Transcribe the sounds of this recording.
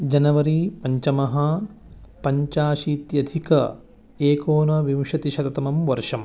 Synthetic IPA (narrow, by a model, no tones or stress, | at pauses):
d͡ʒɐnɐʋɐɾipɐɲt͡ʃɐmɐɦɐ | pɐɲt͡ʃaːʃiːt̪jɐd̪ʱikɐ | eːkoːnɐʋimʃɐt̪iʃɐt̪ɐt̪ɐmɐmʋɐɾʂɐm